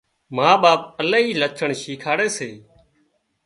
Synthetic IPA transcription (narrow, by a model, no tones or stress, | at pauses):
maːɓaːp̚əlaːɦiːlət͡ʃʰəɳʃiːkʰaːɽeːseː